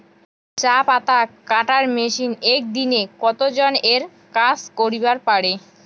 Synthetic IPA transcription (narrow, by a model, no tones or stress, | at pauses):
t͡ɕapat̪akaʈaɾmeʃinɛk̚d̪inekɔt̪od͡ʑoneɾ | kaskoɾibaɾpaɽe